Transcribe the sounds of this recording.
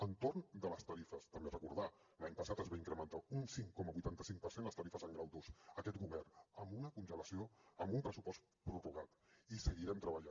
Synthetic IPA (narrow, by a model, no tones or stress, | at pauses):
ənt̪ornd̪ələst̪əɾifəst̪əmberəkṵɾða | laɲpəsat̪əzβaiŋkɾəmənt̪aunsiŋkɔməβujt̪ant̪əsiŋ̚pəɾsenləst̪əɾifəzəŋɡɾawd̪usəkɛt̪̚ɡuβɛrnəmbunəkunʒələsioəmbumpɾəsupɔst̪ | pɾuruɣat̪isəɣiɾɛmt̪ɾəβəʎa